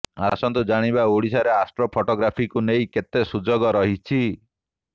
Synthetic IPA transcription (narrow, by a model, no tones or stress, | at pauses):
a̰sɔnt̪ud͡ʒaɽ̃ibaoɽisaɾeasʈɾɔpʰoʈɔɡɾapʰikunejket̪esud͡ʒɔɡɔɾɔɦit͡ʃʰi